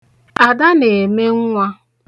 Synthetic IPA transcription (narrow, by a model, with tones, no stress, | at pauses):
a˨da˦ne˨me˦ŋ̩˦ŋʷa˦